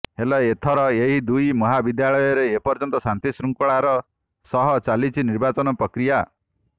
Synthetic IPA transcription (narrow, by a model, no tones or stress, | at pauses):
helɔet̪ʰɔɾɔeɦid̪ujmɔɦabid̪jaɭɔjɔɾeːpɔɾd͡ʒɔnt̪ɔsant̪isɾuŋkɔɭaɾɔ | sɔɦɔt͡ʃalit͡ʃʰiniɾbat͡ʃɔnɔpɾɔkɾija